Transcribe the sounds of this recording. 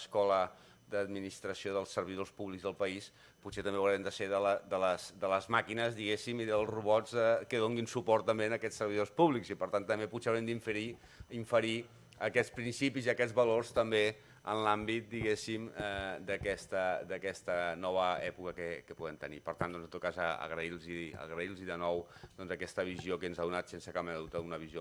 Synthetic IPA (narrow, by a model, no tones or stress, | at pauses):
skɔlə | d̪əd̪minist̪ɾəsioðəlˠsəɾβ̞iðospuβlikzðəlˠpəis | puset̪əmbeəwɾɛmd̪əseðələd̪ələzd̪ələzmakinəzðiɣesimiðəlˠzruβɔzðəkəðoŋɡinsupɔrt̪ːəmbeənəkɛt͡ssːəɾβ̞iðospuβlikzipəɾt̪ant̪ːəmbepuseəwɾɛmnd̪iɱfəɾi | iɱfəɾi | əkɛtspɾinsipiziəkɛd͡zβəlorst̪əmbe | ə̰nlambit̪̚d̪iɣesiməd̪əkɛst̪əd̪əkɛst̪ənɔβ̞əɛpukəkəkəpuðɛmt̪ənḭpəɾt̪and̪ɔnzənt̪ot̪̚kazə̰ə̰ɣɾəilˠziə̰ɣɾəilˠziðənɔwd̪ɔnzəkɛst̪əβ̞iziokənzaðunat̪sensəkameðut̪əunəβizio